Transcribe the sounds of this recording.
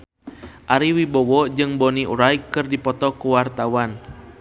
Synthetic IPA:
ʔaɾiwibɔwɔʔd͡ʒɨŋbɔniʔṵɾajkːɨrdipɔt̪ɔkuwart̪awan

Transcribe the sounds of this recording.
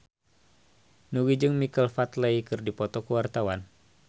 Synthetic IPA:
nuɡid͡ʒɨŋmikəlfat̪leikɨrdipɔt̪ɔkəwart̪awan

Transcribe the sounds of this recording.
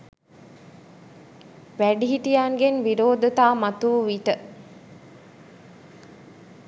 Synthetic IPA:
ʋæɖiɦiʈijaːŋɡenʋiɾoːd̪ət̪aːmat̪uːʋiʈə

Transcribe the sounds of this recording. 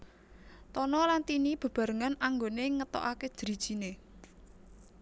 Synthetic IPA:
t̪ɔnɔlant̪inib̥ə̤b̥ä̤ɾəŋanaŋɡoneŋət̪ɔ̰ʔake̥ʒ̥əɾi̤d̥ʒ̥ine

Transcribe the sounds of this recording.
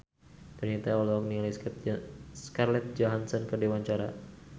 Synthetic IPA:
t̪ərɲat̪aɔlɔkniŋla | skarlɛt̪̚d͡ʒɔɦansɔnkədewaɲt͡ʃaɾa

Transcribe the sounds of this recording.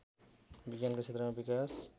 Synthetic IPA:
biɡjanket͡sʰet̪ɾmabikas

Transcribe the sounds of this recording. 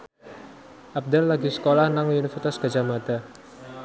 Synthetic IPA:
ʔab̚d̪alːaɡisə̥kolahnaŋjunifət̪asɡ̥a̤d͡ʒamad̪̥a

